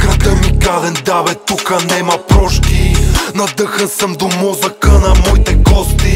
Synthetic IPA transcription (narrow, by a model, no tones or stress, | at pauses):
kɾɐɡəmikalɛnd̪avɛt̪ːukənɛmɐpɾɔʃkinɐd̪əxəsəmd̪omɔzɐkənɐmɔit̪ɛɡɔst̪i